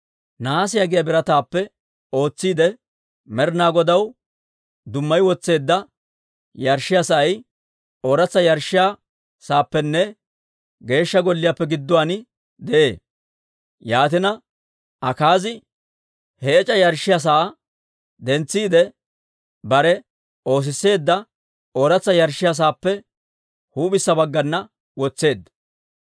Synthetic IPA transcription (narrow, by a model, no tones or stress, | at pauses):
naːs̬ɪjɐɡɪjabɪɾɐt̪aːpːɛ | o̞ːt͡sːiːd̪ɛ | mɛɾnaːɡɔd̪ɐw | d̪ʊmːɐjwɔt͡sːe̞ːd̪ːɐ | jɐɾʃːɪjasɐʔɐj | oːɾɐt͡sːɐjɐɾʃɪjaː | saːpːɛnːɛ | ɡe̞ːʃːɐɡɔlːɪjapːɛɡɪd̪ːʊwaːnɪ | d̪ɛʔe̞̰ː | jaːt̪ɪnɐ | ʔɐkaːzɪ | hɛːt͡ʃʼɐjɐɾʃːɪjas̬aː | d̪ɛnt͡sːiːd̪ɛ | bɐɾɛ | o̞ːs̬ɪsːe̞ːd̪ːɐ | oːɾɐt͡sːɐjɐɾʃːɪjas̬aːpːɛ | huːbɪsːɐbɐɡːɐnːɐ | wɔt͡sːe̞ːd̪ːɐ